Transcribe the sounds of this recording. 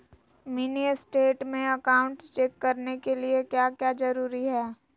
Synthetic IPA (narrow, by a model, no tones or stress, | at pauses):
miniəsʈeːʈmẽɐkaːʊ̃ɳʈt͡ʃɛːkːɐɾnekeliekjaːkjaːd͡ʒɐɾuːɾiɦɛː